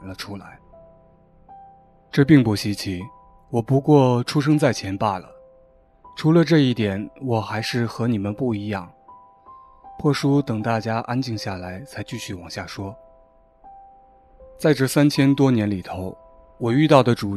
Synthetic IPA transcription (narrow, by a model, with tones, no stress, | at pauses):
nlə˦ʈ͡ʂʰu˥la˧˥ɪ | ʈ͡ʂɤ˥˧pi˥˧ŋpu˥˩ɕi˥t͡ɕʰi˧˥ | wɔ˨˩pu˧˥kwɔ˥˩ʈ͡ʂʰu˥ʂ̬ɤ˥ŋt͡sa˥˩ɪt͡ɕʰjɛ˧˥npa˥˩lə̰˩ | ʈ͡ʂʰu˧˥lə˧ʈ͡ʂɤ˥˧i˥˩t̪jɛ˨˩˦nwɔ˨˩xa˧˥ɪʂɻ̩˥˩xɤ˧˥ni˨˩mə˦npu˥˩i˧˥jɑ˥˩ŋ | pʰwɔ˥˩ʂu˥t̪ɤ˨˩ŋt̪a˥˩t͡ɕja˥ʔa˥nt͡ɕi˥˧ŋɕja˥˩la˧˥ɪt͡sʰa˧˥ɪt͡ɕy˥˧ɕy˥˩wɑ˨˩ŋɕja˥˩ʂwɔ˥ | t͡sa˥˧ɪʈ͡ʂɤ˥˩sa˥nt͡ɕʰjɛ˥nt̪wɔ˥njɛ˧˥nli˨˩t̪ʰo˧˥ʊ | wɔ˨˩y˥˧t̪ɑ˥˩ʊd̪ə˩ʈ͡ʂu˨˩